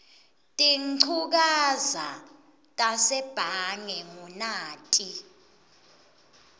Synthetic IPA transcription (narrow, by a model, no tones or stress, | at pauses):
tʼiǀʰuk̬aza̰ | tʼasɛb̥ʱaŋɛŋunaːtʼi